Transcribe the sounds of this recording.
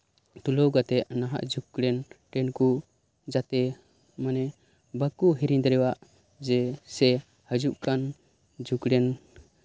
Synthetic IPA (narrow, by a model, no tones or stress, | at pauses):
t̪ulɔwɡat̪ɛʔnaɦa̰ʔd͡ʒukɽɛnʈɛnku | d͡ʒat̪ɛ | manɛ | bəkuɦiɾind̪ɾɛwaʔ | d͡ʒɛsɛ | həd͡ʒuʔkan | d͡ʒʱukɽɛn